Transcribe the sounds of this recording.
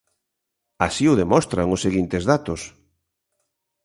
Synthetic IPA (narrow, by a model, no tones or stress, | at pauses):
asiʊðemɔst̪ɾaŋʊsːeɣint̪ɪzðat̪ʊs